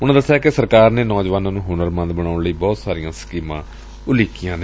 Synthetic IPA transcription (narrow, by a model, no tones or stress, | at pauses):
ʊnãːd̪əsːjaːkɪsəɾkaːɾneːnɔːd͡ʒʋaːnãːnũːɦʊːnəɾmə̃nd̪bəɽ̃aːʊɳləiːbɔːt̪saːɾijãːsə̥kiːmã̰ː | ʊliːkijãːne